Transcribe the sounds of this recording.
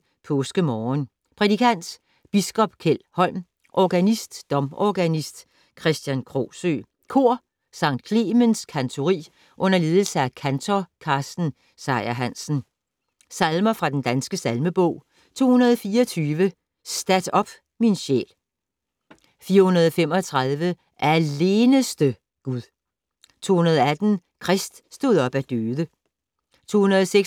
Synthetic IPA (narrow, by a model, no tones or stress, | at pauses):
pʰɔ̽ːsɡ̥əmɒːn | pʰʁɛd̥ikʰæn̰d̥ | b̥isɡ̥ɒ̽b̥kʰel̰hɒ̽l̰m | ʔɒɡ̥ænisd̥ːɒ̽mɒɡ̥ænisd̥ | kʰʁɛsd̥jænkʰʁo̰ːsø̰ː | kʰo̝ɐ̰ | sɑ̈ŋ̰d̥kʰle̝ːmenskʰænt͡sʰo̝ʁḭː | ʔɔ̽n̰ɐle̝ːð̞ˠl̩səækʰænt͡sʰɒkʰɑ̈ːsd̥n̩ | sɑ̈ɪæɦæn̰sn̩ | sælmɐfʁɑ̈d̥end̥ænsɡ̥əsælməb̥ɔ̽ʊ̰ | t͡sʰo̝̰ːhunɐð̞ˠfiːɐɒt͡sʰyːʋə | sd̥æd̥ɒ̽b̥ | minɕḛːl | fiːɐhunɐðˠɒfem̰ɒ̽t͡sʰʁaðˠʋə | ʔæɐle̝ːnəsd̥ə | ɡ̥uðˠ | t͡sʰo̝̰ːhunɐð̞ˠɒæd̥n̩kʰʁɛsd̥sd̥o̝ð̞̩ˠɒ̽b̥æd̥øːðˠə | t͡sʰo̝̰ːhunɐðˠɒse